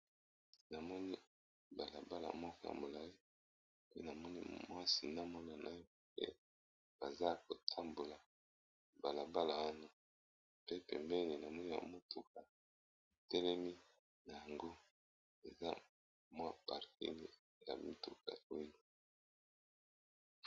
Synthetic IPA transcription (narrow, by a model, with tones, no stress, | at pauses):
na˨mɔ˦ni˦ | ba˨la˨ba˦la̰˨mɔ˦kɔ˦ja̰˨mo˨la˦li˦ | pe˦na˨mɔ˦ni˦mwa˦si˨na˦mɔ˦na˨na˨jo˦˨pḛ˦ | b̥a˨za˦ko˨tʰa˦mbo˨la˨ | ba˨la˨ba˦la˨wa˦na˦ | pe˦pɛ˨mbɛ˦ni˨na˨mɔ˦ni˦ba̰˨mo˦tʰu˨k̚a˨ | tɛ˦lɛ˦mi˦ | na˨ja˨ŋɡo˦ | e˨za˦ | mwa˦pa˨ʁkḭ˦ŋe˦˨ | ja̰˨mi˦tu˨ka̰˨wi˦no˦˨